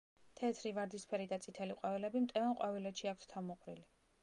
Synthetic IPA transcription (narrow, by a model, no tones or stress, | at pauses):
t̪ʰɛt̪ʰɾivaɾd̪ispʰɛɾid̪at̪sʼit̪ʰɛliqʼwavilɛbimt̪ʼɛvanqʼwavilɛt̪ʃiakʰst̪ʰamɔqʼɾili